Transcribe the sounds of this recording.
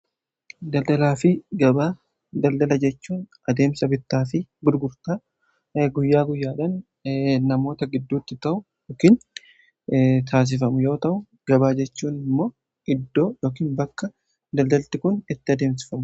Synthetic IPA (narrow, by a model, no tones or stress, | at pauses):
d̪ɐld̪ɐlaːfɪɡɐbaː | d̪ɐld̪ɐlɐd͡ʒɛt͡ʃːuːnʔɐd̪e̞ːmsɐbɪt̪ːaːfɪɡʊɾɡʊɾt̪aː | ɡʊjːaːɡʊjːaːᶑɐn | nɐmo̞ːt̪ɐɡɪd̪ːuːt̪ːɪt̪ɐʔʊjoːkiːn | t̪ʰaːs̬ɪfɐmʊjo̞ːt̪ɐʔʊ | ɡ̥ɐbaːd͡ʒɛt͡ʃːuːnɪmːo̞ː | ʔɪd̪ːo̞ːjo̞ːkiːnbɐkːɐ | d̪ɐld̪ɐlt̪ːɪkʊnɪt̪ːɪɐd̪e̞ːms̬ɪ̥fɐmʊ